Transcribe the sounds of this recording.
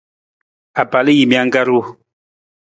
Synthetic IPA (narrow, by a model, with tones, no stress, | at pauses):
a˨pa˨lji˨mi˦a˦ŋɡa˦ɾu˦˨